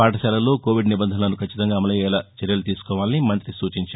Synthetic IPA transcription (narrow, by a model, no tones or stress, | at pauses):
paːʈɐʃɛːlɐlo̞ːko̞ːʋiɖnibɐnd̪ʱɐnɐlɐnukʰɐt͡ʃːit̪ɐŋɡaːɐmɐlɐjɐːɐlɐt͡ʃɛɾjɐlut̪iːsu̥kɔːʋaːlɐnimɐnt̪ɾisuːt͡ʃiɲt͡ʃaː